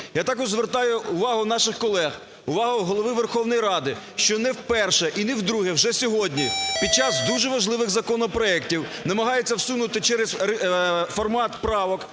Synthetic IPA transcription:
jat̪ɑkɔʒzʋert̪ɑjʊːʋɑɦʊnɑʃɪxkɔlˠɛɣ | ʊʋɑɦʊɦɔlˠɔʋɪʋerxɔwnɔjiɾɑd̪ɪ | ʃt͡ʃɔnɛwpɛrʃɛʔinɛwd̪ɾuɦɛwʒɛsʲɔɦɔdʲnʲipʲid̪̚t͡ʃɑzd̪uʒɛʋɐʒlˠɪʋɪɣzɐkɔnɔpɾɔɛktʲiwnɐmɐɦɑjet͡sʲːɐwsunʊt̪ɪt͡ʃɛɾɛsɾfɔrmɑt̪pɾɑʋɔk

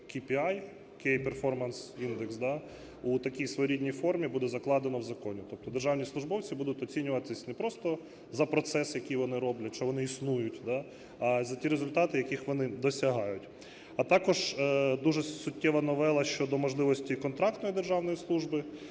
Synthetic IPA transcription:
kʲipʲiaj | kɛjperfɔrmɐnsind̪eksd̪a | ut̪ɐkʲijsʋɔɾʲidʲnʲijfɔrmʲibud̪ɛzɐklˠɑd̪enɔwzɐkɔnʲit̪ɔp̚t̪ɔd̪erʒɑwnʲislˠʊʒbɔwt͡sʲibud̪ʊtʲɔt͡sʲinʲʊʋɐt̪ɪsʲnɛpɾɔst̪ɔ | zɐpɾɔt̪sɛsjɐkijʋɔnɪɾɔblʲɐt̚ʲt͡ʃɔʋɔnɪisnujʊtʲd̪ɑ | ɐzɐtʲiɾezʊlʲt̪ɑt̪ɪjɐkʲixʋɔnɪd̪ɔsʲɐɦɑjʊtʲ | ɐt̪ɑkɔʒd̪uʒɛsʊtʲːɛʋɐnɔʋɛlˠɐʃt͡ʃɔd̪ɔmɔʒlˠɪʋɔsʲtʲikɔnt̪ɾɑk̚t̪nɔjid̪erʒɑwnɔjislˠuʒbɪ

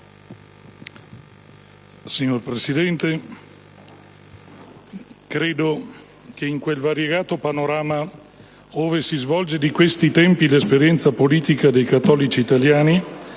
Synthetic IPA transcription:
siɲːorpɾesid̪ɛnt̪e | kɾeːd̪o | keiŋkwelvaɾjeɡaːt̪opanoɾaːma | oːvesizvɔld͡ʒed̪ikwest̪it̪ɛmpilespeɾjɛnt̪sapoliːt̪ikad̪ejkat̪ːɔːlit͡ʃiːt̪aljaːni

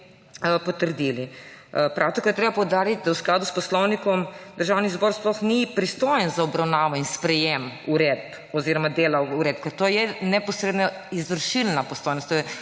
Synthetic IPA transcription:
pɔt̪əɾd̪ilipɾʔawt̪ɔkaɾt̪ɾebapɔwd̪aːɾit̪̚ʲd̪awsklaːd̪uspɔslɔwnikɔmd̪̥əɾʒawnizbɔɾsplɔxnipɾist̪oːjənzaɔbɾawnaːʋɔinspɾɛjemuɾɛd̪̚p | ɔziɾɔmad̪eːlauɾeːd̪̚p̚kɛt̪oːjɛnɛpɔsɾeːd̪na | izʋəɾʃilnapɔst̪oːjnɔst̪ːojɛ

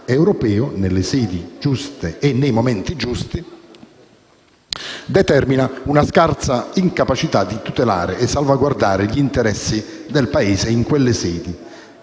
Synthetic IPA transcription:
ɛwɾɔpɛːʊnelːɪsɛːd̪id͡ʒust̪eːnːejmomɛnt̪id͡ʒust̪i | d̪ɛt̪ɛrminaunaskart̪saiŋkapat͡ʃit̪ad̪ːit̪ut̪ela̰ːɾɪːsːalvaɡward̪aːɾɪʎiːnt̪ɛɾɛsːid̪elpaeːzeiŋkwelːɪsɛːd̪i

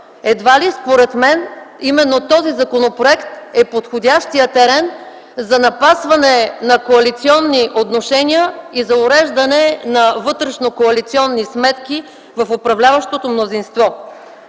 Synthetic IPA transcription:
ɛd̪valispoɾɛt̪mɛnimɛnːot̪ɔzizɐkonopɾoɛkt̪ɛpot̪xodʲaʃt̪ijət̪ɛɾɛn | zɐnɐpasvɐnɛnɐkoɐlit̪siɔnːiʔot̪noʃɛnʲiəizɐʊɾɛʒd̪ɐnɛnɐvɤt̪ɾɛʃnokoɐlit̪siɔnːismɛt̪kʲi | vɐfopɾɐvlʲavɐʃt̪ot̪omnozinst̪vɔ

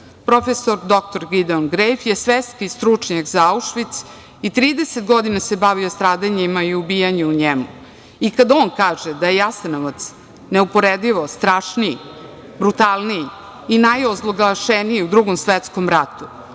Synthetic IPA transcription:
pɾo̞fesoɾd̪o̞k̚t̪o̞ɾɡid̪onɡɾejfje̞sʋest̪kist̪ɾut͡ʂɲakzaauʃʋit̪s | it̪ɾiːd̪eset̪̚ɡo̞d̪inase̞baʋiost̪ɾaːd̪aɲemaiubijaɲeuɲemu | ikad̪oːnkaːʒed̪ajejasanoʋat̪s | ne̞upo̞ɾed̪iʋo̞st̪ɾaːʃnii | bɾut̪alˠnijiː | najozlˠoɡaʃenijiud̪ɾuɡo̞msʋet̪sko̞mɾat̪u

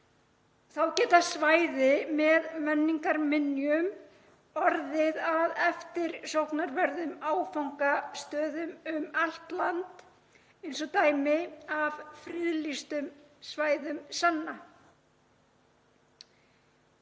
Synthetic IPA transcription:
θawcɛːt̪asvaːjðɪmɛðmɛnːiŋkaɾmɪnːjʏm | ɔɾðɪðaðɛft̪ɪɾ̥sowhknaɾvɛɾðʏmaːwfawŋkast̪œːðʏmʏmal̥t̪lant̪ | ejnsɔt̪aːjmɪavfɾɪðlist̪ʏmsvaːjðʏmsanːa

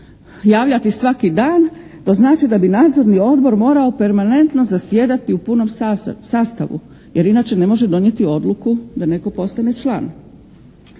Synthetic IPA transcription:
jaːʋʎat̪isʋakid̪aːn | t̪oznaːt͡ʃid̪abinaːd̪zo̞ɾnio̞d̪bo̞ɾmo̞ːɾao̞pe̞ɾmane̞nt̪no̞zasje̞ːd̪at̪iupuno̞msaːst̪a̰ʋṵ | je̞ɾinaːt͡ʃe̞ne̞mo̞ʒed̪o̞nje̞t̪io̞d̪lˠukud̪ane̞ko̞po̞st̪anet͡ʃlˠa̰ːn

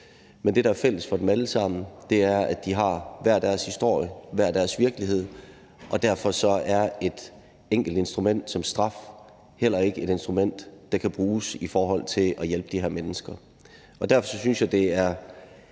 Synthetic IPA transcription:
mend̥e̝ɾɑæɐfel̰əsfɒ̽d̥emæləsɑ̈m̰n̩d̥e̝æɐæ̥d̥iɦɑ̈ʋæɐ̰d̥æɐshisd̥o̝ɐ̰jəʋæɐ̰d̥æɐsʋiɐɡ̥əliɦe̝ð̞̰ˠ | ʔɒ̽d̥æɐfɒ̽sɒ̽æɐe̝d̥ | eŋ̰ɡ̥l̩d̥e̝nsd̥ʁumen̰d̥sɒ̽msd̥ʁɑ̈f | hel̰ɐe̝ɡ̥əe̝ɾ̥e̝nsd̥ʁumen̰d̥ːɑ̈kʰæb̥ʁuːsifɒːɦɒ̽l̰t͡sʰe̝lɒjelb̥əd̥iheɐ̰menəsɡ̥ɐ | ʔɒ̽d̥æɐfɒ̽sɒ̽synsjɑ̈ɪd̥e̝æɐ

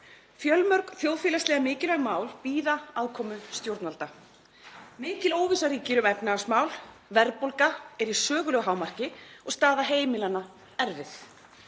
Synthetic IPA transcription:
fjœlmœɾkθjowðfɪːlast̪lɛːɣamɪːcɪlɛɣmaːwlpiːðaaðkʰɔːmʏst̪jowɾt̪nalt̪a | mɪːcɪloːwvisaɾiːcɪɾʏmɛpnasmaːwl | vɛɾpowlkaɛɾisœːɣʏlɛɣɦaːwmar̥cɪɔɣst̪aːðaɦeːjmɪlanːa | ɛɾvɪθ

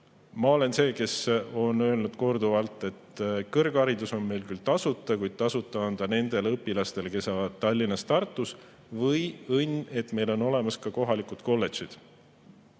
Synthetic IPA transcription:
mɑole̞nse̞ːke̞so̞nø̞lnud̪̥ko̞rd̪uvɑlt̪ːˑe̞t̪kɤrɡ̥ɑɾid̪uso̞nme̞jlkylt̪ɑsut̪ːˑɑkujd̪̥̚t̪ɑsut̪ːˑɑɑnd̪̥ɑne̞nd̪̥e̞lɤpːilɑst̪e̞leke̞sːɑːvɑd̪̚t̪ːɑlʲːinɑst̪ɑrt̪ːˑus | vɤjɤnːe̞t̪me̞jlo̞nːo̞le̞mɑskɑko̞ɦɑlikud̪̥ko̞lːe̞t̪t͡ʃid̪̥

